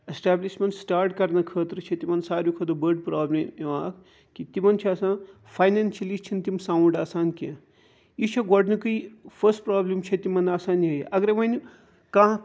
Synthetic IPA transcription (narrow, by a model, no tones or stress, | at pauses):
esʈaːbliʃmɐnʈsʈaːɾʈkɐɾnɐkʰəːt̪ɾɨt͡ʃʰɐt̪imɐnsaːɾjukʰɐːt̪ɨbəɾɖpɾaːblɐmeʋaːk | kit̪imɐnt͡ʃʰiɐsãː | fʰɐjnaːnʃɐlist͡ʃʰint̪imsaːuɳɖaːsaːnkẽ | it͡ʃʰɐɡɔɖnɨkɨjfʰɐsʈpɾaːblɐmt͡ʃʰɐt̪imɐnaːsaːnɦɐjʔɐɡɾeʋɐn | kãː